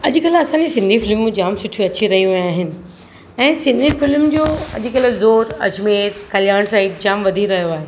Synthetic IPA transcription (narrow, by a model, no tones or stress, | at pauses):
ɐʄkɐlɐsãːɲd͡ʑisɪ̃nd̪ʱifɪlmːũd͡ʑaːmsʊʈʰiuɐt͡ɕiɾɐɦiuɦĩaːɦɪnɪ̆ | ɛ̃ːsɪ̃nd̪ʱifɪlmd͡ʑoːɐ̰ʄ̆kɐlɪzoːɾɐ̰d͡ʑmeːɾkɐlɪjaːɽ̃saːiʈd͡ʑaːmʋɐd̪ʱiɾɐɦijoaːɦeː